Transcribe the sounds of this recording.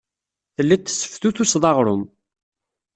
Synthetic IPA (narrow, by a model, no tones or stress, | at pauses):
θəlːit̪ːə̥sːə̥fθuθusðˤɑʁɾˤʊm